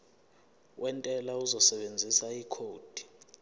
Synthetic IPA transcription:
wʔɛntʼɛlauzɔsɛɓend͡zʱisaikʰoːd̥ʱi̥

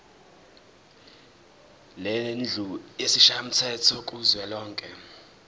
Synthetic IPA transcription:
lɛnd͡ɮʱuesiʃam̩tʰɛtʰɔk̬ʼuzwɛlɔːŋkʼɛ

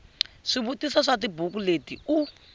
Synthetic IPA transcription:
ʂiβutisaʂatibʱuk̬uletiu

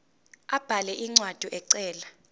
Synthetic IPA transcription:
ab̥ʱalɛʔiŋ͡ǀwad̥ʱuʔɛǀɛːla

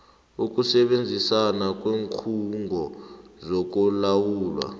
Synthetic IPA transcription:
uk̬ʼusɛɓend͡zʱisanak̬ʼweːŋkʰuŋʱɔzɔk̬ɔlawuːlwa̰

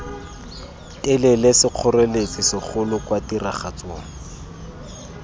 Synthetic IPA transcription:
ɪlɪlɪsɪq͡χʰʊrelet͡sisɪχʰʊlʊkwatiraχat͡soːŋ̩

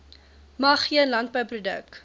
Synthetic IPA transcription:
mɐχːiənlɐnt̚bəjprudə̰k

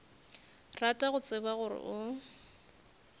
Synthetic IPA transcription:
ratʼaɣʊt͡sʼɪbaɣʊrɪ̰ʔʊ

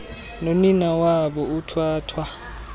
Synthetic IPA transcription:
noninawabɔʊtʰwaːtʰwa

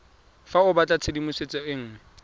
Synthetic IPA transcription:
faʊbat͡ɬʼat͡sʰedimʊset͡sʼɔɪŋ̩

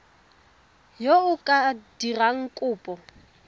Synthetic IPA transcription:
joʊkʼad̥iraŋ̩kʼʊːpʼɔ

